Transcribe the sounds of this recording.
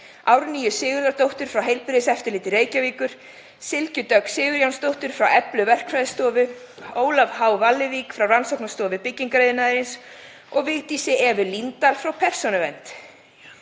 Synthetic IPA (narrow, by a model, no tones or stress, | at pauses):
awɾniːjʏsɪːɣʏɾðat̪owht̪ʏɾ̥fɾawɦejlpɪɾɪsɛft̪ɪɾlɪːt̪ɪreːjcaviːkʏɾ̥ | sɪlcʏt̪œksɪːɣʏɾjawnst̪owht̪ʏɾ̥fɾawɛplʏvɛr̥kʰfaðst̪ɔːvʏ | oːwlavhaːwvalːɪvikfɾawransɔwknast̪ɔːvɪpɪcːiŋkɾejðɪnaðɪɾɪns | ɔɣvɪɣt̪isɪɛvʏlint̪alfɾawpʰɛr̥sɔnʏvɛnt̪